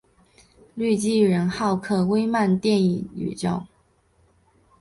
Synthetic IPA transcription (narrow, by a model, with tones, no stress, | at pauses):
ly˥˩t͡ɕi˥ɻə˧˥nxɑ˥˩ʊkʰɤ˥˩we˥ɪma˥˧nt̪jɛ˥˧ni˥˩ny̰˨˩t͡ɕjo˥˩ʊ